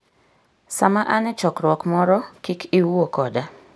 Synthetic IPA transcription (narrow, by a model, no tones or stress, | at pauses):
samaʔanɛt͡ʃɔkɾwɔkmɔɾɔkikʰiwokɔda